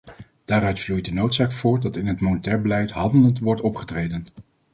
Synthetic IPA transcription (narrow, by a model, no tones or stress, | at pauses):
d̥aːɾœɥtvluj̚dənowtsaːkfʊːɹdɑtɪnɦətmonətɛːɹbəlɛjtɦɑndələntʋɔɹtɔpχətrejdən